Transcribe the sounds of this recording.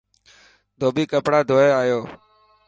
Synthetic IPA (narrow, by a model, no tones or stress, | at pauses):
d̪ʱoːbiːkəpɽaːd̪ʱoːeːaːjoː